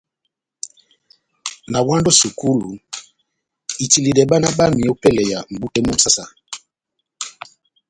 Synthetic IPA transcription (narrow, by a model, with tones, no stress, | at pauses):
na˨wa˦ndo˦su˨ku˦lu˨ | i˨ti˨li˨dɛ˨ɓa˦na˦ɓa˦mi˨o˦pɛ˦lɛ˨ja˨m̩˨bu˦tɛ˦mu˦m̩˦sa˦sa˦